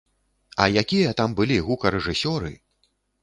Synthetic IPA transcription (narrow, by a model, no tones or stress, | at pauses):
ɐ̰jakʲijɐt̪ambɨlʲiɣukɐɾɛʐɨsʲɔɾɨ̰